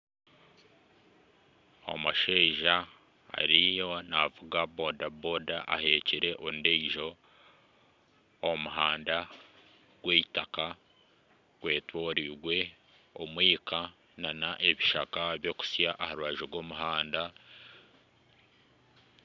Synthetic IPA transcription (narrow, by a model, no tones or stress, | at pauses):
o̰muʃeːʒa̰ː | ɾijo̞navuɡabodabodaʔa̰he̞ːciɾe̞ʔondeiʒo̞ | muɦaːnda | ɡ̥we̞ːitaka | ɡwe̞ːtwo̞ːɾiɡwe̞ | omwiːka | nanaʔeβiʃakaβjo̞ku̥sjaʔːhaɾuaʒoɡwo̞ːmuɦaːnda